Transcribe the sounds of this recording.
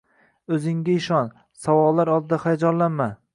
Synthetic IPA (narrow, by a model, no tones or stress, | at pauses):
ɵzɪŋɡʲaɪʃɒn | sawɒlˠːaɾɒlˠd̪ɪd̪aχajad͡ʒɒlanma